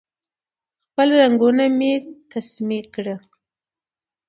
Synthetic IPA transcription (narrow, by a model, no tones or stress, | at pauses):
xpəlɾaŋɡunamet̪ʰasmikɽə